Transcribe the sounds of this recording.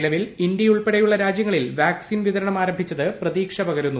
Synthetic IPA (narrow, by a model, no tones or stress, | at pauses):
lɐʋilind̪jɐuɭpeɽɐjuɭːɐɾaːd͡ʑjɐŋːɐɭilʋaːksiːnʋiðɐɾɐɳɐmaːɾɐmbʱit͡ɕːɐðɨprɐðiːkʂɐpɐɣɐɾunːu